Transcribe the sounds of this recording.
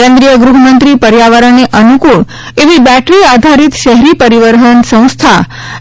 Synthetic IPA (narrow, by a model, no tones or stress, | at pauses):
ẽnd̪ɾijəɡɾuɦmənt̪ɾipəɾjaʋaɾəɳneʔənukuɭ | eʋibɛʈɾiad̪ʱaɾit̪ʃɛɦɾipəɾiʋəɾɦənsə̃w̃st̪ʰa